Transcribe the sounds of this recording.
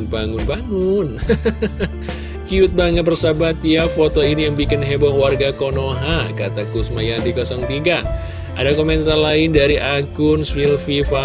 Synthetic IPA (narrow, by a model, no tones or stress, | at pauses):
baŋʊnbaŋʊn | kiʊt̪̚baŋət̪̚bərsabat̪jafot̪oinijaŋbikɪnɦebɔŋwarɡakonoɦakat̪akusmajadikɔsɔŋt̪iɡa | ʔa̰dakoment̪arlaɪndaɾiʔaɡʊnswilfifa